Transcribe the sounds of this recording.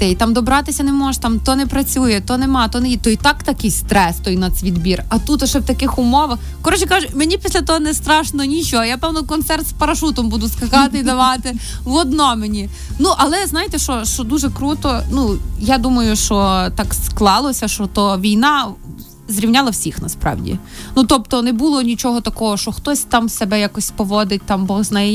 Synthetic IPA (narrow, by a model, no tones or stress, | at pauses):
t̪ɛit̪ɑmd̪ɔbɾɑt̪ɪsʲɐnɛmɔʃt̪ɑmt̪ɔnɛpɾɐt͡sʲujɛt̪ɔnɛmɑt̪ɔnɛjit̪ɔit̪ɑkt̪ɐkɪjst̪ɾɛst̪ɔinɐsʲʋʲid̪bʲirɐt̪ut̪ɐʃɛwt̪ɐkɪxʊmɔʋɐx | kɔɾɔt͡ʃɛkɑʒʊmenʲipʲisʲlʲɐt̪ɔɦɔnɛst̪ɾɑʃnɔnʲit͡ʃɔjapɛwnɔkɔnt̪sɛrt̪spɐɾɐʃut̪ɔmbud̪ʊskɐkɑt̪ɪid̪ɐʋɑt̪ɪ | ʋɔd̪nɔmenʲi | nuʔɐlˠɛznɑjɪt̪ɛʃɔʃt͡ʃɔd̪uʒɛkɾut̪ɔnujad̪umɐjʊʃt͡ʃɔt̪ɑksklˠɑlˠɔsʲɐʃɔt̪ɔʋʲijnɑ | zɾʲiwnʲɑlˠɐwsʲixnɐspɾɑ̰wdʲḭ | nut̪ɔp̚t̪ɔnɛbulˠɔnʲit͡ʃɔɦɔt̪ɐkɔɦɔʃt͡ʃɔxt̪ɔsʲt̪ɑmsɛbɛjakɔsʲpɔʋɔd̪ɪt̚ʲt̪ɑmbɔɣznajɛ